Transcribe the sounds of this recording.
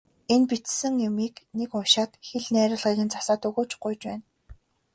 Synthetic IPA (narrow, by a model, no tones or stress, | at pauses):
enpit͡ssɘ̆ŋjʊmiːknekʊʃaːt̪xeɮnæːɾʲə̆ɮʁiːɣɘ̆nt͡sḁsaːt̪ɵɣoːt͡ɕɢʊjt͡ɕpæːn